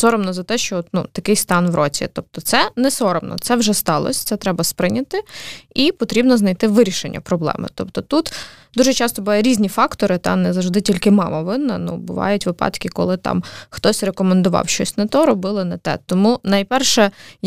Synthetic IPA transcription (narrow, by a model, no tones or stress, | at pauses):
sɔɾɔmnɔzɐt̪ɛʃt͡ʃɔɔt̪nṵt̪ɐkɪjst̪ɑnʋɾʔɔt͡sʲḭt̪ɔp̪̚t̪ɔt̪sɛnɛsɔɾɔmnɔ̰t̪sɛwʒɛst̪ɑlˠɔ̰sʲt̪sɛt̪ɾɛbɐspɾɪnʲɐt̪ɪipɔt̪ɾʲibnɔznɐjt̪ɪʋɪɾʲiʃḛnʲːɐ̰pɾɔblˠɛ̰mɪ̰t̪ɔpt̪ɔt̪ut̪d̪uʒɛt͡ʃɑst̪ɔbʊʋajʊɾʲizʲnʲifɑkt̪ɔɾɪt̪ɑ̰nɛzɐwʒd̪ɪtʲilʲkɪmɑmɐʋɪnːɐ̰nṵbʊ̰ʋɑ̰jʊtʲʋɪpɑ̰t̪kʲɪkɔ̰lˠɪt̪ɑ̰mxt̪ɔsʲrekɔmend̪ʊʋɑ̰wʃt͡ʃɔsʲnɐt̪ɔɾɔbɪlˠɔnɛt̪ɛ̰t̪ɔmunɐjpɛrʃɛ